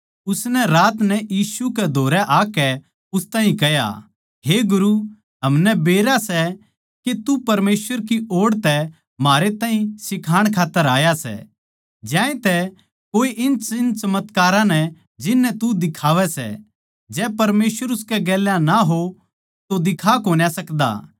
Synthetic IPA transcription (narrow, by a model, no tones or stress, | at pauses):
ʊsnɛɾaːt̪nɛjiːsukɛd̪ʱoːɾɛʔaːkɛ | ʊst̪aːĩkɛja̰ | ɦeːɡʊɾu | ɦɐmnɛbeːɾasɛ | ket̪upɐɾmeːswəɾk̬ioːɽt̪ɛ | maːɾet̪aːɦĩsɪkʰaːɽ̃kʰaːt̪ːəɾaːjasɛ̰ | d͡ʒjãːẽt̪ɛ | koːiʔɪnɪnt͡ʃɐmət̪kaːɾãnɛ | d͡ʒɪnːɛt̪ud̪ɪkʰaːʋɛsɛ̰ | d͡ʒɛːpɐɾmeːsʋəɾʊskɛɡɛːljãnaɦo | t̪od̪ɪkʰakoːnjasɐkd̪a̰ː